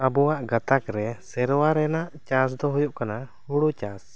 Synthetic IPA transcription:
abɔwaʔɡat̪akɾɛsɛɾwaɾɛnaʔt͡ʃas̬d̪ɔɦujɔʔkanahuɽut͡ʃas

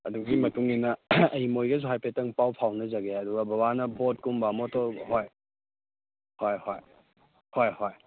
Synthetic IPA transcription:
ɐduɡimɐtuŋinɐɐjmojɡɐzuɦajpetɐŋpawpʰawnɐzɐɡeɐduɡɐbɐwanɐbʱot̚kumbamɔtɔɦoj | hojhoj | hojhoj

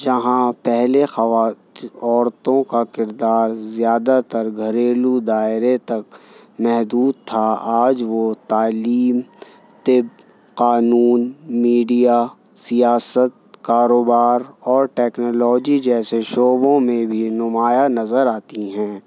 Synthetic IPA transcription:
d͡ʒɐɦãpɛɦlexɐa | ɔːɾt̪õkakɪɾd̪aːɾzjaːd̪at̪əɾɡʱɐɾeːlud̪aːɪɾet̪ɐk̚ | mɛɦd̪uːd̪̚t̪ʰaaːd͡ʒʋot̪aːliːm | t̪ɪb | qaːnuːnmiːɖija | sijaːsət̪̚kaːɾoːbaːɾɔːɾʈɛːknoːlɔːd͡ʒid͡ʒɛːseʃoːbõmẽbʱinʊmaːjanɐzəɾaːt̪iɦɛ̃ː

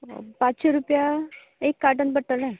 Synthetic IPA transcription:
pãt͡ɕɕʰeɾupja | ekːaʈənbəʈːəlɛ̃

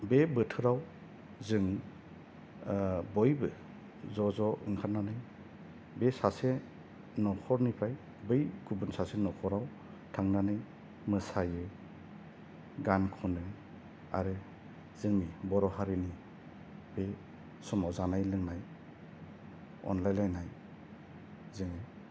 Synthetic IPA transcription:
bebɯtʰɯɾaw | zɯŋ | bɔjbɯ | zɔzɔḭŋkʰaɾnanɯj | besase | nɔkʰɔɾnipʰɾaj | bɯjɡubunsasenɔkʰɔɾaw | tʰaŋnanɯj | mɯsajɯ | ɡankʰɔnɯ | a̰ɾɯ | z̥ɯŋnibɔɾɔɦaɾini | be | sɔmawzanajlɯŋnaj | ɔ̰nlajnlajnaj | zɯŋaj

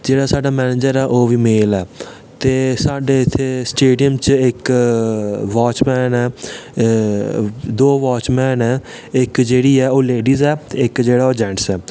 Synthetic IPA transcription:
d͡ʒeːɽaːsaːɖaːmɛːneːd͡ʒəɾɛːʔoːʋiːmeːlɛː | t̪eːsaːɖeːɪt̪ʰːeːsʈeːɖijəmt͡ʃɪk | ʋaːt͡ʃmɛːnɛː | d̪oːʋaːt͡ʃmɛːnɛː | ɪkd͡ʒeːɽiːɛːoːleːɖiːzɛːt̪ːɪkd͡ʒeːɽaːoːd͡ʒɛ̃ːɳʈsɛː

